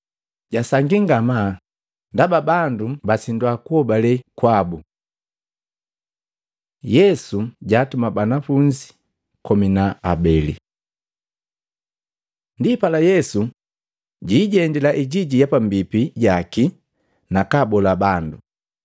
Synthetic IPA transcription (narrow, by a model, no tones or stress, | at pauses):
ɟ̥asaŋɡiŋɡama | ndababandubasindwakuhɔbalɛkwabu | jɛsuɟaːtumabanafuɲd͡ʒi̥ | kɔminaabɛlḭ | ndipalajɛsu | ɟiːɟɛndilaʔiɟiɟijapambipiɟaki | nakabɔlabandu